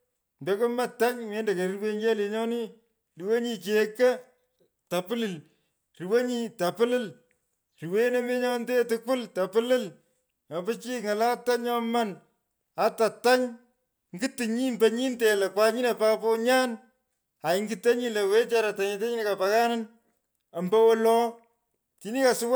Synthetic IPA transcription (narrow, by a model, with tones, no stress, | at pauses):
mbe˦ko˦ma˦˨ta˦ɲme˦nde˨ke˨ɾi˦we˦ŋɡe˦le˨ɲɔ˦ni˦ | ri˨we˦ɲi˨t͡ʃe˨kɐ˦ | ta˨pɨ˦lɪ˨l | ri˨we˦ɲi˦ta˨pɨ˦lɪ˦l | ri˨we˦ne˦me˦ɲɔ˦nde˦tʊ˦kʊ˦lta˨pɪ˦lɪ˦l | ɲɔ˨pɨ˦t͡ʃi˦ŋa˨la˦ta˦ɲɔ˦ma˦n | a˨˦ta˨ta˦ɲ | ŋɡɨ˦tɨ˨ɲi˦mbɐ˨ɲi˦nte˨lɐ˨kwa˦ɲi˦ne˨pa˦pɔ˦ɲaː˦n | a˨ɪ˦ŋɡɨ˦te˦ɲi˦le˨we˦t͡ʃa˦ɾa˨ta˨ɲi˨te˦ɲi˦ne˦ka˨pa˨ka˦na˦n | a˨mbɐ˦wɔ˦lɔ˦ | ti˦ni˦ka˨sʊ˦w